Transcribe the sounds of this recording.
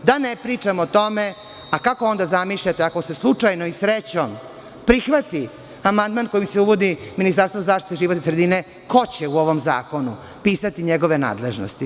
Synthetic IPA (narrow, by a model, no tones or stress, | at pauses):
d̪anepɾiːt͡ʂamot̪o̞me | akakoo̞nd̪azamiʃʎat̪eako̞se̞slˠut͡ʂajnoisɾet͡ɕom | pɾixʋat̪i | amand̪maːnko̞jimseuʋo̞d̪iminist̪aɾst̪vozaːʃt̪i̥t̪eʒiʋot̪isɾed̪ine | ko̞t͡ɕeuo̞ʋo̞mza̰ːko̞nu | piːsat̪iɲeɡo̞ʋe̞na̰ːd̪leʒno̰st̪i